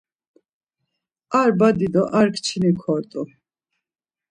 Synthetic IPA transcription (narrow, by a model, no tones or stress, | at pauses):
aɾbad̪id̪ɔʔaɾkʰt͡ʃʰinikʰɔɾt̪ʼu